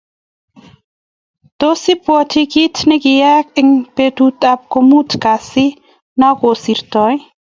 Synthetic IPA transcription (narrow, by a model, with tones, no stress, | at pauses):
t̪o˦si˦pwɔ˨tʰi˦ki˦tʰni˦ki˨ja˦k̚ɪ˨ŋpe˨t̪ut̪ʼap̚ko˧mu˦tʰka˨si˦ | na˦ko˨si˨ɾtɔ˨j